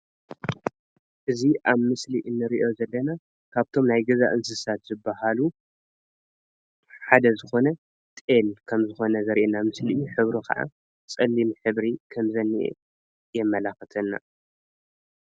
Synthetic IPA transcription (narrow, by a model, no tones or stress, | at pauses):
ʔɨziʔaβmɨsliʔɨnːɨɾiʔo̞zɐlːɐna | kʰaβt̪ʰo̞mnajɡɐza̰ʔɨnsɨsat̪zɨbahalu | ħad̪ɐzɨxo̞nɐ | t̪ʼelkʰɐmzɨxo̞nɐzɐɾʔenamɨsliuħɨβɾukʰɐ̰ʕa̰ | t͡sʼɐlːimħɨβɾikʰɐmzɐnːiʔḛ | jɛmːɐlaxɨt̪ʰɐnːa̰